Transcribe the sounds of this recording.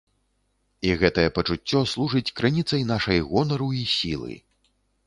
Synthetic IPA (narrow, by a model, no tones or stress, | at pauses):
iɣɛt̪ɐjɛpɐt͡ʂut͡sʲːɔslˠuʐɨt͡sʲkɾɨnʲit̪sɐjnaʂɐjɣɔnɐɾuisʲilˠɨ̰